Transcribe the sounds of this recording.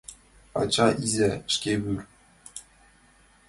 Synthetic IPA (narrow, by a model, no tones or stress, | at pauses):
ɑ̰t͡ɕɑʔizʲæʂkʲebyrʲ